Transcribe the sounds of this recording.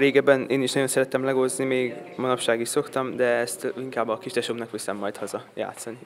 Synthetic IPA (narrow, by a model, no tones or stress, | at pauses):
ɾeːɡɛbɛneːniʃnɒɟo̞nsɛɾɛt̪ɛmlɛɡo̞znimeːɡmɒnopʃaːɡiʃso̞kt̪ɒmd̪ɛɛst̪iŋkaːbːɒkit͡ʃd̪ɛʃomnɒkʋisɛmːɒjt̪hɒzɒja̰ːt̪sɒni